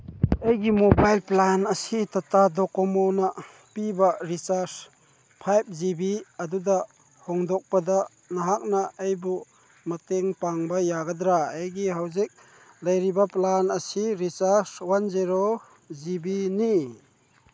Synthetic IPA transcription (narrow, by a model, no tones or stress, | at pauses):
ejɡimobajlplanɐsit̪ɐt̪ad̪ɔkɔmona | pibɐɾisaɾs | pʰajp̚zibiɐd̪ud̪a | hɔŋd̪ɔk̚pɐd̪a | nɐɦak̚naejbu | mɐt̪eŋpaŋbajaɡad̪ɾaejɡiɦawzik̚ | lɐjɾibaplanɐsiɾisaɾswanziɾo | zibini